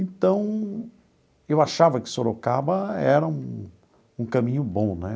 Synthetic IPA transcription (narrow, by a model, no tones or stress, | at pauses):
ẽt̪ɐ̃w̃ | ewaʃavɐkɪ̥soɾokabɐɛɾɐũ | ũkɐmĩɲʊbõnɛ